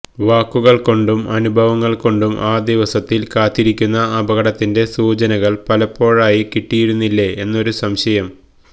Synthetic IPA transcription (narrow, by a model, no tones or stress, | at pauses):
ʋaːkːuɣɐɭko̞ɳɖumɐnubʱɐʋɐŋːɐɭko̞ɳɖumʔaːd̪iʋɐsɐt̪ːilkaːt̪ːiɾikʲːunːɐːbɐɣɐɽɐt̪ːinde̞suːt͡ɕɐnɐɣɐɭpɐlɐpːo̞ːɻaːjikiʈːijiɾunːilːeenːo̞ɾusɐmɕɐjɐm